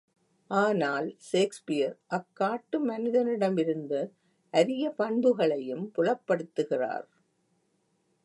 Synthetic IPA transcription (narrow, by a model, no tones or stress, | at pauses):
ʔaːnaːlʃeːkspɪjɐɾʔɐkːaːʈːɯmɐnɪðɐnɪɽɐmɪɾɯnd̪ɯ | ʔɐðɪɣɐpɐɳd̪ɯɣɐɭɐjɯmpʊɻɐpːɐɽɯt̪ːɯɣɪra̰ːɾ